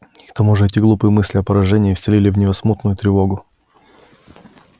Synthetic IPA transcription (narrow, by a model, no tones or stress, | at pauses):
ikt̪ɐmuʐɨɛtʲɪɡlˠupɨjmɨsʲlʲɪɐpəɾɐʐɛnʲɪːfsʲɪlʲilʲɪvnʲɪvɐsmut̪nʊjʊt̪ɾʲɪvo̞ɡʊ